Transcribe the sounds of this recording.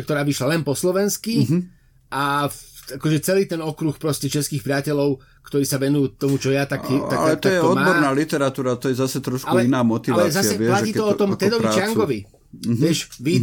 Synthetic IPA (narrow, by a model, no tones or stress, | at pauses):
kt̪ɔɾaːʋiʃlalɛnpɔslɔʋɛnski | ʔa | akɔʒɛt͡sɛliːt̪ɛnɔkɾuxpɾɔscɛt͡ʃɛskiːxpɾɪacɛlɔʊ | kt̪ɔɾiːsaʋɛnujut̪ɔmut͡ʃɔjat̪akit̪aalɛtt̪aɔjɛɔd̪mabɔɾnaːlit̪ɛɾat̪uːɾat̪ɔjɛzasɛt̪ɾɔʃkaulɛinaːmɔt̪iʋaaɛszasɛɛlaciːt̪ɔɔt̪ɔmt̪ɛd̪ɔʋit͡ʃɪaŋɡɔʋi | ʋɛʃʋi